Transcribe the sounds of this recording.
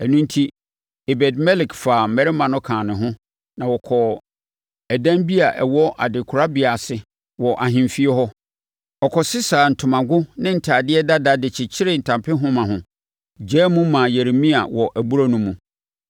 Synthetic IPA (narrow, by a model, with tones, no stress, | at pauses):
ɛ˨nũ˦n˦tʰi˦ | e˨bɛ˨dmɛ˦lɪ˨kfaː˨mɛ˨ɾɪ˦mã˨nʊ̃˦kʰãː˨nɪ̃˨ɦʊ̃˦ | nã˨wɔ˨kʰɔ˨ | æ˨dã˦mbi˦a˨ʔɛ˨wɔ˦ʔa˨dɪ˨kʰʊ˨ɾa˦bɪ˨a˨sɪ˨ | wɔ˨ʔa˨ɦɪ̃˨mfi˦ɛ˦ɦɔ˦ | ɔ˨kʰɔ˨sɪ˦sa˨n̩˨tʰʊ̃˨mã˨ɡʊ˦nɪ̃˦n̩˨tʰaː˨dɪ˦ɛ˦da˦da˦dɪ˨t͡ɕʰɪ˨t͡ɕʰɪ˦ɾɪ˨n̩˨tʰã˨mpʰɪ˦ɦʊ̃˦mã˨ɦʊ̃˨ | d͡ʑɛː˦mũ˦mã˨je˨ɾe˨mĩ˦a̰˨wɔ˨ʔæ˨bu˦ɾa˦nũ˦mũ˨